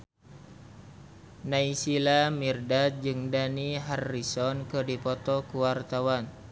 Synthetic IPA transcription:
naisilamirdad͡ʒɨŋdaniɦarːisɔnkɨdipɔt̪ɔkuwart̪awan

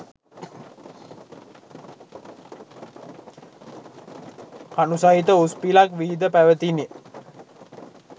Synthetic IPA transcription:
kanusait̪əuspilakʋiːd̪əpæʋət̪ine

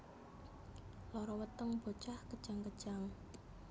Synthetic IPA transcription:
lɔɾɔwət̪əŋb̥o̤t͡ʃahkəd̥ʒ̥aŋkə̥ʒ̥aŋ

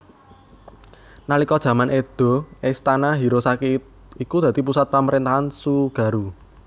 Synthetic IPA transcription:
nalikɔd̥ʒ̥ä̤manʔed̪̥ɔ̤ɛst̪anaɦiɾosakit̪̚ | ikud̪̥a̤t̪ipusat̪̚paməɾint̪aɦansuɡ̥ä̤ɾu

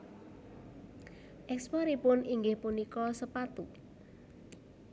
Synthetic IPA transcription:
ʔɛkspaɾipʊniŋɡɪhpunikɔsəpat̪u

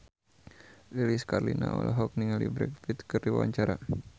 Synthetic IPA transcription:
liliskarlina̰ʔɔ̰lʔaɦɔk̚niŋalibɾɛkfit̪kɨrdiwa̰ɲt͡ʃaɾa

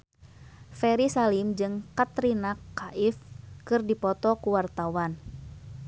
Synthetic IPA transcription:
fɛɾisalimd͡ʒɨŋkat̪ɾinakaʔɪfkɨrdipɔt̪ɔkuwart̪awan

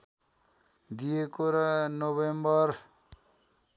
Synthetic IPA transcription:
d̪ijekoɾʌnoβembʌr

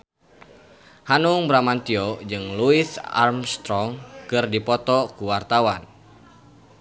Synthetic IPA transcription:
hanuŋbɾamant̪iɔd͡ʒɨŋluiθa̰rmst̪ɾɔŋkɨrdipɔt̪ɔkuwart̪awan

